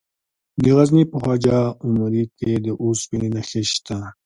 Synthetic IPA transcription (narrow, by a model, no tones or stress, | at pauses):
d̪əɣaznipəxaːd͡ʒaumaɾiked̪əʔuspininaxeɕt̪a